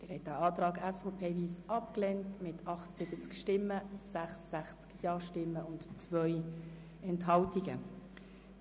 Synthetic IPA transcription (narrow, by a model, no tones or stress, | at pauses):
d̥ɪːɾhɛtːæʔɑːt̪ɾɑːɡæsfopʰeːviːsɑpklɛntmɪtʰɑχtə̥sɪb̥ət͡skʃtɪmːəsæχsːæχt͡skjɑːʃtɪmːəʊntt͡svœj | ɛnthɑltiɡ̥ə̰